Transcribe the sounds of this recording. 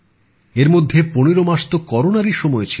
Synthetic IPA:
eɾmod̪ʱːeponeɾomaʃt̪okɔɾonaɾiʃɔmɔet͡ɕʰi

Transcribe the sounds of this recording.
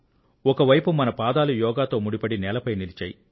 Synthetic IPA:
ɔkɐʋɐjpumɐnɐpaːd̪aːlujɔːɡaːt̪o̞ːmuɽipɐɽinɛːlɐpɐjnilit͡ʃaːji

